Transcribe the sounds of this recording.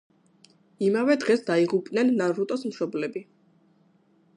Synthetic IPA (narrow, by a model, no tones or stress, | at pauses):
imavɛd̪ʁɛsd̪aiʁupʼnɛnːanɾut̪ʼɔsmʃɔblɛbi